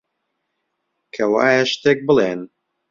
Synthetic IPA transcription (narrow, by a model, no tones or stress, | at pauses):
kʰɐwaːjɐʃt̪eːk̚bɨleːn